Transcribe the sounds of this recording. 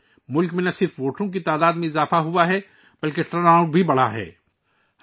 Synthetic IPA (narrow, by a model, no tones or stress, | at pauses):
mʊlkmẽnɐsɪɾfʋoːʈʰõk̬it̪aːd̪aːd̪mẽɪzaːfaɦʊaɦɛ | b̥ɐlkeʈɾɐnaːʊɖbʱibɐɽaɦɛ̰ː